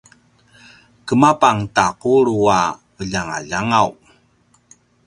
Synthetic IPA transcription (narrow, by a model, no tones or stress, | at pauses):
kəmapaŋtaquɾua | əʎaŋa̰ʎaŋaw